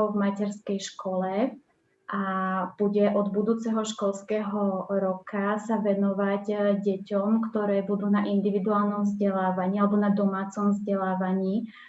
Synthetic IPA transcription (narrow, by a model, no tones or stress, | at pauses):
vmacɛɾskɛjʃkɔlɛ | ʔab̥uɟɛʔɔd̪bud̪uːt͡sɛɦɔʃkɔlskɛːɦɔɾɔkasaʋɛnɔʋaɟɟɛcɔmkt̪ɔɾɛːbud̪uːnaʔind̪iʋid̪uaːlnɔmvzɟɛlaːʋaɲiːalɛbɔnad̪ɔmaːt͡sɔmvzɟɛlaːʋaɲiː